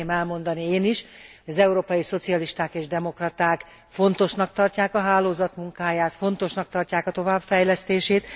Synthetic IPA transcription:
eːmɛlmo̞nd̪ɒnieːniʃhojɒzɛuɾoːpɒjiso̞t̪sijɒliʃt̪aːkeːʒd̪ɛmo̞krɒt̪aːk | fo̞nt̪o̞ʃnɒk̚t̪ɒrcaːkɒɦaːloːzɒt̪muŋkaːjaːt̪fo̞nt̪o̞ʃnɒk̚t̪ɒrcaːkɒt̪o̞vaːbfɛjlɛst̪eːʃeːt̪

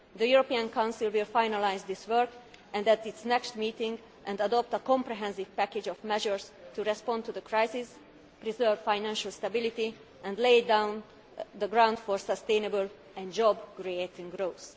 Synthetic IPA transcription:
d̪əjuɾopiãnkãw̃nsilwilfajnalajzd̪isʋɜɹkʔɛ̃nd̪ɛt̪itsnɛkst̪miːt̪ĩŋɡ | ʔɛ̃nd̪ɐd̪ɔp̚t̪əkɔ̃mpɾɛɦɛ̃nsiv̥pæked͡ʒɔfmɛʒəɹst̪uɾɛspɔ̃nt̪ud̪əkɹajsis | pɾizɜɹvfajnɛ̃nʃəlst̪abilit̪i | ʔɛ̃ndlejdãw̃n | d̪əɡɾãw̃nd̪fɔɹsəst̪ẽjnəbəl | ɛ̃nd͡ʒɔbkɾiet̪ĩŋɡɾows

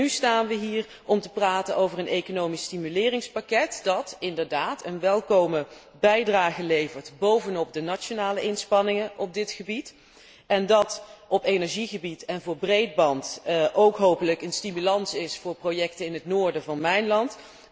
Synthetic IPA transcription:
nystaːnʋəɦiːr | ɔmtəpraːtənowvərənʔejkonowmistimylɪːrɪŋspakɛtd̥ɑtɪndəɹdaːtʰənʋɛlˠkowmə | bɛjdraːχəlejvəɹtbowvənɔp̚dənat͡ʃonaːləʔɪnspɑnɪŋəʔɔb̚dɪtχəbit | ɛndɑtɔpejnɛɹʒiχəbitɛnvʊːɹbrejd̚bɑntʔowkɦowpələkənstimylɑnsɪsfʊːɹprojɛk̚təɪnɦətnʊːɹdəvɑnmɛjnlɑnt

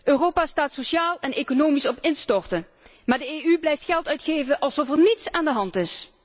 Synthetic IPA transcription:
ʔøːroːpaːstaːtsoʃjaːlˠɛnejkonoːmisɔpɪnstɔɹtə | maːɹdəeːyblɛjftxɛlˠtœɥtχejvəʔɑlˠsɔfɛɹnitsaːndəɦɑntɪs

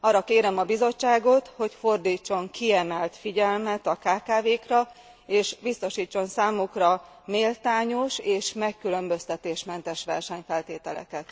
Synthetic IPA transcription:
ɒːrːɒkeːɾɛmɒbizo̞t͡ʃːaːɡo̞t̪ho̞cfo̞rd̪iːt͡ʃːo̞ŋkiɛmɛlt̪fiɟɛlmɛt̪ɒkaːkaːveːkrɒ | eːʃbist̪o̞ʃiːt͡ʃːo̞nsaːmukrɒ | meːlt̪aːɲo̞ʃeːʃmɛkːylø̞mbø̞st̪ɛt̪eːʃmɛnt̪ɛʃʋɛ̰rʃɛɲfɛlt̪eːt̪ɛlɛ̰kɛt̪

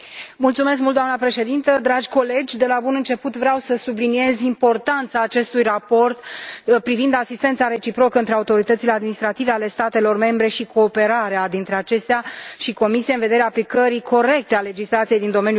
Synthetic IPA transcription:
mult̪sume̞s̬k̚mult̪d̪oamnəpɾe̞ʃe̞d̪int̪əd̪ɾad͡ʒʲko̞le̞d͡ʒʲd̪e̞labunɨnt͡ʃe̞put̪vɾeawsəsublinie̞zimpo̞rt̪ant̪saːt͡ʃe̞st̪ujrapo̞rt̪pɾivind̪asist̪e̞nt̪saɾe̞t͡ʃipɾo̞kəɨnt̪ɾe̞aut̪o̞ɾit̪ət̪sile̞ad̪minist̪ɾat̪ive̞ale̞st̪at̪e̞lo̞rme̞mbɾe̞ʃikʰo̞ːpe̞ɾaɾead̪int̪ɾe̞at͡ʃe̞st̪eaʃiko̞misijeɨnve̞d̪e̞ɾeaːplikəɾikʰo̞ɾe̞k̚t̪e̞ale̞d͡ʒislat̪sijejd̪ind̪o̞me̞nj

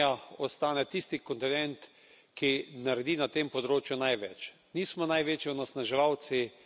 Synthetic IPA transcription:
aɔst̪aːnɛt̪ist̪ikɔnt̪ɛnɛnt̪ | kinaɾɛd̪inat̪eːmpɔd̪ɾoːt͡ʃjunajʋɛt͡ʃ | niːsmɔnajʋeːt͡ʃɛɔnasnaʒɛʋaw̪si

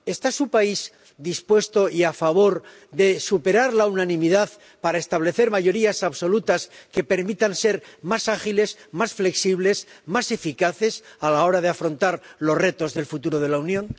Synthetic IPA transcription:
e̞st̪asupaiz | d̪ispwe̞st̪o̞iafaβ̞o̞ɾ | ðe̞supe̞ɾaɾlaunanĩmiðað | paɾae̞st̪aβ̞le̞θe̞ɾmaʝo̞ɾiasaβso̞lut̪aske̞pe̞ɾmit̪anse̞ɾmasaχile̞smasfle̞ksiβ̞le̞smase̞fikaθe̞salao̞ɾaðeafɾo̞nt̪aɾlo̞sre̞t̪o̞zðe̞lfut̪uɾo̞ð̞e̞launjõ̞n

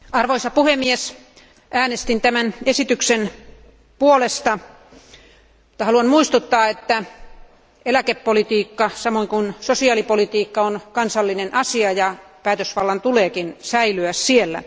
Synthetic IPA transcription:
ɑrʋoisɑpuhemːies | ʔæːnest̪int̪æmænesit̪yksen | puolest̪ɑ | t̪ːɑhɑluɑnmuist̪ut̪ːɑːet̪ːæ | elækepːolit̪iːkːɑsɑmoiŋkunsosiɑːlipolit̪iːkːɑonkɑnsɑlːinenʔɑsiɑjɑ | pæːt̪øsʋɑlːɑnt̪uleːkinsæilyæssielːæ̰

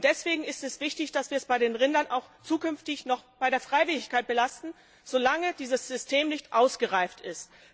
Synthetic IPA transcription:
d̥ɛsv̥eːɡŋ̩ɪstɛsv̥ɪçtɪçd̥asv̥iːɐɛsb̥aɪɾeːnʁɪndɐnʔa̰ʊxt͡suːkʏnftɪçnɔχb̥aɪɾeːɐfʁ̥aɪvɪlɪçkaɪt̚b̥əlastn̩ | z̥olaŋəd̥iːzəsz̥ʏstʰeːmnɪçtʔaʊsɡ̥əʁaɪftɪst

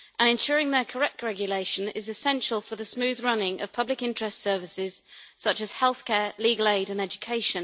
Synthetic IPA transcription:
ʔə̃ñɪ̃nʃɔːɹɪ̃ŋðəkʰəɹɛk̚tʰɹɛɡjəleɪʃə̃nɪ̰zɪsɛ̃nʃəlˠfəðəsmʉːðɹʌnɪ̃ŋʔə̰v̥pʰʌblɪkɪ̃nt͡ʃɹ̥ɛstsɜːvɪsɪz̥sʌt͡ʃəz̥hɛlˠθkʰɛːliːɡəleɪɾə̃nɛd͡ʒəkʰeɪʃə̃n

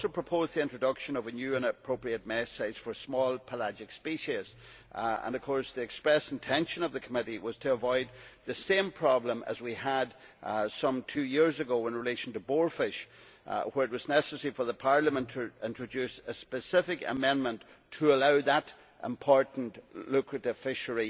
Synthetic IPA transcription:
sopʰɹ̥əpʰozðiɪ̃ntɹ̥ədʌkʃə̃nʌvənjʉːə̃nəpʰɹ̥oʊpɹiət̚mɛsaɪz̥fə˞smɔlˠpʰəlad͡ʒɪkspiʃiz̥ | ə̰̃nʌv̥kʰɔɹsðiɨkspɹɛsn̩tʰɛ̃nʃə̃nʌvðəkʰəmɪɾiwʌz̥tʰəːvɔɪd̪̚ðɨsẽmpʰɹ̥ɑblə̃mʔə̰zwiədsʌ̃mtʰʉjɪɹzəɡoʊɪ̃nɹɪleʃn̩təbɔɹfɪʃ | wə˞ɨt̚wʌznɛsəsɛɹifə˞ðəpʰaɹlˠə̃mə̃ntʰəɪ̃ntɹ̥ɨd͡ʒʉsəspɨsɪfɪkə̰mɛ̃nmə̃nt | tʰəəlaʊðəɾ | ʔɪ̰̃mpʰɔɹʔn̩ʔlʉkʰɹɨɾɪv̥fɪʃə˞i

